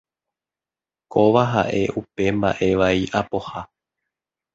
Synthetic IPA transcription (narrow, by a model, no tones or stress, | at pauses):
ko̞ʋaɦa̰ʔe̞ʔupe̞mba̰ʔe̞ʋaiʔapo̞ha